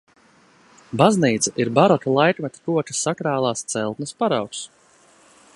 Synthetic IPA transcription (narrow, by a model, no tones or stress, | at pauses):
bazniːt̪saʔiɾbaɾɔt̪alˠajkmʲɛt̪ḁkuɔt͡ʃḁsakɾaːlˠaːst̪sɛlˠt̪nɐspaɾawks